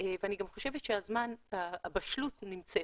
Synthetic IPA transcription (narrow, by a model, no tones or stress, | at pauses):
eveaniɡamχo̞ʃe̞vetʃeazmanaːbaʃlutnimt͡set